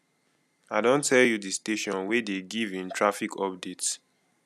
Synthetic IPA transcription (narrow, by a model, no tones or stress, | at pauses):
aɪdõntʰɛljudisteʃɔ̃nwedeɡivĩntʰɹafikʰɔp̚dets